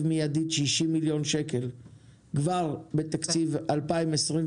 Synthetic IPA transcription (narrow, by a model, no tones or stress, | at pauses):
vmijad̪id̪ʃiʃimːiljo̞nʃeke̞l | ɡvaʁbe̞t̪akt͡sivalpaimesʁim